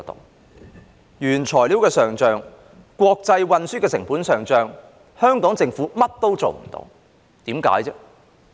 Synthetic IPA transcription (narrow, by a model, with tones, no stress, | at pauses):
t̪o̰˨˩ | jyː˨˩nt͡ʃʰɔː˨˩jli˨˥wkɛː˧sœː˨˩ŋt͡ʃœː˨ŋ | kwɔː˧k̚t͡sɐ˧jwɐ˧nsyː˥kɛː˧sɪ˨˩ŋpuː˨˥nsœː˨˩ŋt͡sœː˨˧ŋ | hœː˥ŋkɔː˨˥ŋt͡sɪ˧ŋfuː˨˦˥mɐ˥t̚t̪o˥wt͡so̰˨wm̩˨˩t̪o̰˧˥w | t̪iː˨˥mka̰ː˨˥jt͡sɛː˥